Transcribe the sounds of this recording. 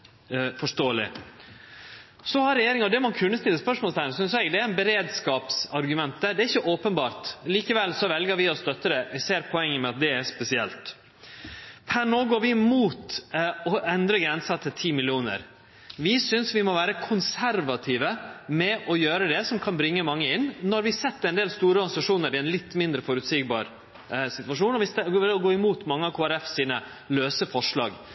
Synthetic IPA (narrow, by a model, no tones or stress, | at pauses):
fɔʂt̪oːlɪ̰ | sɔhɑɾːɛjeːɾɪŋɑɔd̪ɛmɔɑnkʰʉnːəst̪ɪlːəspœʂmɔlst̪ænsʏnsɛɡd̪ɛæɾɪnbɛɾeːd̪skɑːpsɑɾɡʉmɛnt̪̚d̪æɖ̪ɛæɾɪçːəʔoːpənbɑːɾt̪liːkəʋɛlːsɔʋɛlɡəɾʋɪɔst̪œt̪ːəd̪ɛʋseːɾpʰɔɛŋːəmɛɑt̪̚d̪ɛæspɛsɪɛ̰lt̪ | pʰænoːɡoːɾʋɪmuːt̪ɔʔɛnd̪ɾəɡɾɛnsɑt̪ʰɪt̪ʰiːmɪlɪuːnə̰ɾ | ʋɪsʏnsʋɪmɔʋæːɾəkʰʊnsæɾʋɑt̪ʰiːʋəmɛʔɔjøːɾəd̪ɛsɔmkʰɑnbɾɪŋːəmɑŋːəɪnːnɔɾʋɪsɛt̪ːəɾɛnd̪eːlst̪uːɾəɔɾɡɑnsɑʂuːnəɾɪɛnlɪt̪ːmɪnd̪ɾəfɔɾʉt̪siːɡ̚bɑ̰ːɾ | sɪt̪ʋɑʂuːnɔʋɪsɔɡoːɪmuːt̪mɑŋːəɑkʰoːæɾɛfsiːnə | løːsəfɔʂɭɑ̰ːɡ